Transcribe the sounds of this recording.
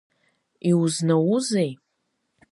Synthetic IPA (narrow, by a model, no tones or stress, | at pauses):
iwuznawuzej